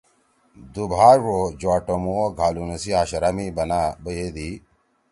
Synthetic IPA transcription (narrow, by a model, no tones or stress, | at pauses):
d̪ubʱaːɻod͡ʑoaːʈomuoɡʱaːlunɐsiaːɕɐɾamibɐnaːbəjed̪i